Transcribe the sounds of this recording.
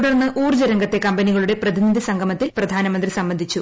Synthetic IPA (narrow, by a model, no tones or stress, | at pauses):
ɽɐrnːɐʔuːrd͡ʑɐɾɐŋɡɐt̪ːe̞kɐmbɐniɣɐɭuɽe̞prɐd̪inid̪ʱisɐŋɡʱɐmɐt̪ːilprɐd̪ʱaːnɐmɐnd̪risɐmbɐnd̪ʱit͡ɕːu